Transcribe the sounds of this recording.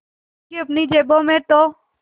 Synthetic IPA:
kiəpniːd͡ʒeːbõːmẽːt̪oː

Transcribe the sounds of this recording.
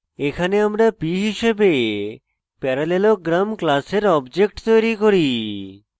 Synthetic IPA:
ekʰaneamɾapiɦiʃebe | pɛɾaleloɡɾamklaseɾɔbd͡ʑek̚ʈt̪ojɾikoɾi

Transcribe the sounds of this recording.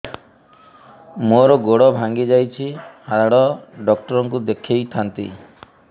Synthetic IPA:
moɾɔɡoɽɔbʱaŋɡid͡ʒajt͡ʃʰihadaɽɔɖɔk̚ʈɔɾɔŋkud̪ekʰejt̪ʰant̪ḭ

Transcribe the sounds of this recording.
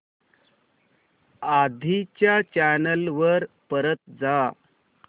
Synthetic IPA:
ad̪ʱit͡ɕjat͡ɕænəlʋəɾpəɾət̪d͡za

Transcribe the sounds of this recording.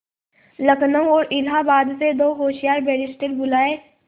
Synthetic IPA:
ləknəwɔːɾʔɪlɦabaːd̪sed̪oːɦoːʃijaːɾbɛːɾɪsʈəɾbʊlaːeː

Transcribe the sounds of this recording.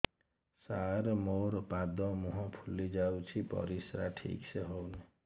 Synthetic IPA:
saɾmoɾpad̪ɔ̃mɔɦɔ̃pʰulːid͡ʒawt͡ʃʰipʌ̰ɾisɾaʈʰḭkseɦowni

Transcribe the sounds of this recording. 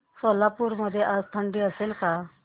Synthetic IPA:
soːlaːpuɾməd̪ʱeʔast̪ʰəɳɖiəsɪlkʰaː

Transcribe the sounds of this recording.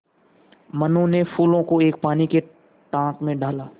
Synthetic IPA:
mənõnefuːlõkoeːk̚paːnike | ʈãːkmẽɖaːlaː

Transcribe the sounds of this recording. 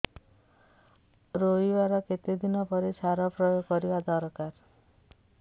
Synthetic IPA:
ɾojbaɾɔket̪ed̪inɔpɔɾesaɾɔpɾɔjoɡkːɔɾibad̪ɔɾkaɾ

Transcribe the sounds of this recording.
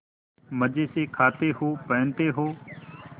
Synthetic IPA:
məd͡ʒeːseːkʰaːt̪eːɦoːpəːnt̪eːɦoː

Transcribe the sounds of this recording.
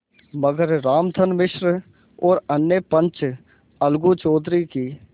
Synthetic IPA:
məɡəɾɾaːmd̪ʰʱənmɪʃɾ | ɔːɾənːjəpə̃nt͡ʃ | əlɡut͡ʃoːd̪ɾikiː

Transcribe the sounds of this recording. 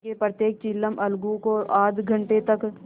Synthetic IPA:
epɾət̪jeːk̚t͡ʃiːlːəmʔɐlɡũkoʔaːd̪ɡʱə̃ɳʈet̪ɐk

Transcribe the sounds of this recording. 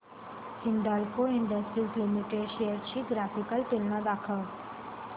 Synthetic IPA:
hɪɳɖalkoɪ̃ɳɖəsʈɾislɪmiʈeɖʃejəɾt͡ɕiɡɾaːfɪkəlʈ̪elnad̪aːkʰə

